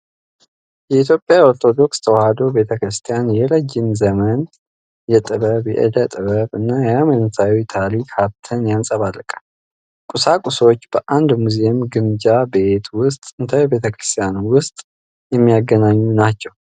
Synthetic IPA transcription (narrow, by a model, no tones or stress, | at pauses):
jɛit̪ʰjo̞pʼjao̞ɾt̪ʰo̞d̪o̞kst̪ʰəwahad̪o̞be̞t̪ʰəkɾɨst̪ʰijanjɛləd͡ʒːɪmzəmən | jɛt̪ʼɨβəβjɛ̰ʔɪ̰d̪ət̪ʼɨβəβɨnːajɛamənt̪ʰawit̪ʰaɾikhaβt̪ʰənjansʼəβalːəkʼḁ | kʼusakʼuso̞t͡ʃːb̥əʔand̪muzeemɡɨmd͡ʒabeet̪ʰwʊst̪ʼɨnt̪ʰəjɛbe̞t̪ʰəkɾɨst̪ʰijanuwʊst̪ʼ | jɛmːijaɡənaɲːunat͡ʃːɛw